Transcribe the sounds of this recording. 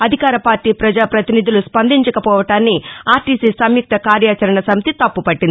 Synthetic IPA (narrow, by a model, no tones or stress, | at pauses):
ɐd̪ʱikaːɾɐpaːɾʈiːpɾɐd͡ʒaːpɾɐt̪inid̪uluspɐnd̪iɲt͡ʃɐkɐpɔːʋɐʈaːnːiaːɾʈiːsiːsɐmjuk̚t̪ʰɐkaːɾjaːt͡ʃɐɾɐɳɐsɐmit̪it̪ɐpːupɐʈːind̪